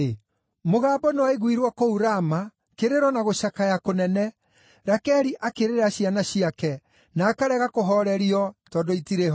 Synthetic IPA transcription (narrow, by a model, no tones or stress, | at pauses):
e | moɣaːbɔnewaeɣwiɾwakouɾama | keɾeɾwɔnaɣoʃakajakonɛnɛ | ɾakɛɾiʔakeɾeɾaɕianaɕiakɛ | naːkaɾɛɣakoɦɔɾɛɾiɔtɔdoitiɾeɦɔ